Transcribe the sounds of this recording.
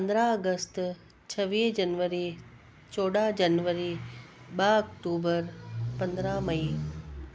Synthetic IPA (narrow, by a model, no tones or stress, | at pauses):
pənd̪ɾaəɡəst̪ | t͡ɕʰɐʋiːd͡ʑɐnʋəɾi | t͡ɕoːɽad͡ʑɐnʋəɾi | ɓaɐk̚ʈuːbəɾpɐ̃nd̪ɾamɐi